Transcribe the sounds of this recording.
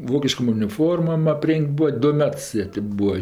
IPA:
ˈʋoːkʲɪʃkoːm ʊnʲɪˈfoːrmoːm ɐˈpʲrʲɛŋʲkʲtʲ ˈbʊɐ ˈdʊ ˈmʲɛts ˈjiɛ tʲɪ ˈbuːɐ

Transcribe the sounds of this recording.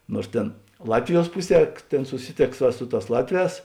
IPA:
nuɔrs ˈtʲeːn ˈlˠɑːtʲʋʲɪˌjuɔs ˈpʊˌsʲiɛ ˈtʲeːn sʊˈsʲɪˌtʲeːks ʋɐ ˈsʊ ˌtɑːs ˈlˠɑːtʲˌʋʲɛːs

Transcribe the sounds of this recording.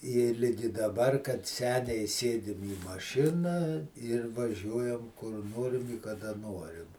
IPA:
ɪ ˈlʲɪɡʲɪ dɐˈbɐr kɐt ˈsʲæːnʲɛɪ ˈsʲeːdʲɪm iː mɐˈʃʲɪnɐ ɪr ʋɐˈʒʲuɔjɛm kʊr ˈnoːrʲɪm ɪ kɐˈdɐ ˈnoːrʲɪm

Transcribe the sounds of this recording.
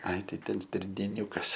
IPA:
ɐɪ ˈtɐɪ ˈtʲɛn sʲtʲɪrʲnʲeːˈnʲʊkɐs

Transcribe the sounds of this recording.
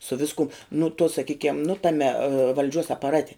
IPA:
sʊ ˈʋʲɪskʊm nʊ tuɔ sɐˈkʲiːkʲɛm nʊ ˈtɑːmʲɛ ʋɐlʲˈd͡ʒʲuɔs ɐpɐˈrɑːtʲɛ

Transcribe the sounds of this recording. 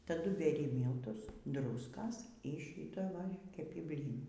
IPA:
ˈtɑːdʊ bʲɛˈrʲɪ ˈmʲiːlˠtʊs ˈdrʊskɐs ˈiː ʃʲiːtɐ ˈʋɐ kʲɛˈpʲɪ ˈbʲlʲiːnuː

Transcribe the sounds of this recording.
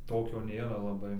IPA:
ˈtoːkʲoː ˈnʲeːrɐ lˠɐˈbɐɪ

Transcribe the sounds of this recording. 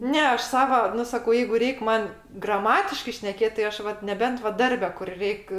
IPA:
ˈnʲɛ ˈɐʃ ˈsɑːʋɐ ˈnʊ sɐˈkɐʊ ˈjɛɪɡʊ ˈrʲɛɪkʲ ˈmɐn ɡrɐˈmɑːtʲɪʃkɐɪ ʃʲnʲɛˈkʲeːtʲ tɐɪ ˈɐʃ ˈʋɐt nʲɛˈbʲɛnt ʋɐ ˈdɐrʲbʲɛ kʊr ˈrʲɛɪkʲ

